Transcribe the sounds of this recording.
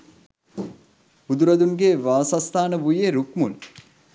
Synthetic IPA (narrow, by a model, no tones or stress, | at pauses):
b̥ud̪uɾɐd̪uŋɡeʋaːsast̪ʰaːnəbujeɾukmun